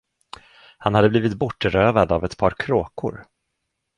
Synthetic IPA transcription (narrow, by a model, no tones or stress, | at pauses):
hanhad̪ːəbliːvɪt̪bɔʈːəɾøːvad̪avɛt̪pʰɑːɾkʰɾoːkʊ̰ɾ